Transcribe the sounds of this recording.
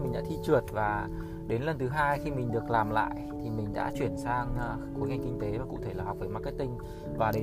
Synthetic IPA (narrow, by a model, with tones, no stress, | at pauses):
mï˨˩ŋ̟ɗa̰ː˧˥t̪ʰi˧t͡ɕɨ˨˩ət̚vaː˨˩ | ɗe˨˦nlə˨˩nt̪ɨ˨˦ɦaː˧jxi˧mï˨˩ŋ̟ɗɨ˨˩ək̚laː˨˩mla̰ː˧˨jʔt̪ʰi˨˩mï˨˩ŋ̟ɗa̰ː˧˥t͡ɕwi˧˩ənsaː˧ŋ | ku˨˦kha˨˧˩ŋkï˧ŋ̟t̪e˨˦vaː˨˩kṵ˧˥t̪ʰe˧˩laː˨˩a˨˩wk͡p̚vəː˨˧˦jma˦˥t̚kːaː˨˦j̚kt̪ï˧ŋ̟ | vaː˨˩ɗe˨˦